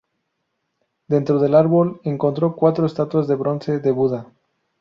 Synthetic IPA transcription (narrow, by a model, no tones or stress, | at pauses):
d̪e̞nt̪ɾoð̞e̞laɾβole̞ŋko̞nt̪ɾo̞kwat̪ɾoest̪at̪wazðe̞βɾonse̞ðe̞βuða